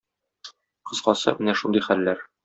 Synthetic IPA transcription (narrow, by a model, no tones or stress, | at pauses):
qɤ̆zqɑsɤ̰mɘnæʃund̪ɤjχælːæɾ